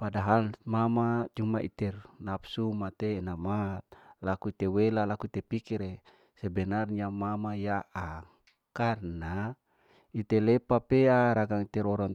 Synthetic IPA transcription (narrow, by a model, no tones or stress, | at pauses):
padaɦalmamad͡ʒumaʔit̪ɛrnapsumat̪eːnamat̪̚lakuit̪ewelalakuit̪epikiɾe | sebɛnarɲiamamajaʔa | karna | it̪elepapeaɾaɡaŋit̪ɛɾɔɾan